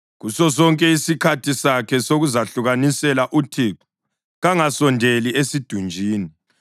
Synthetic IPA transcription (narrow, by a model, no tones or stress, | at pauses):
ɣusɔs̬ɔŋkʼɛisikʰatʰisakʰɛsoɣuzaɬuɣanisɛlaʔutʰiǁu̥ | ɣaŋasɔndʱeliesid̥ʱund͡ʒʱiːni